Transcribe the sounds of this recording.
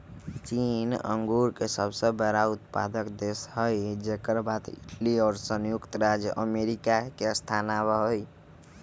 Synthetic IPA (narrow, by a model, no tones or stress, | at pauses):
t͡ʃinə̰ŋɡuɾkesəbsə̃bəɾaut̪̚pa̰d̪əkd̪esɦəjd͡ʒekəɾbat̪ḭʈʰliɔːɾsənjukt̪ɾad͡ʒjəʔəmeɾikakeəst̪ʰanabəɦoj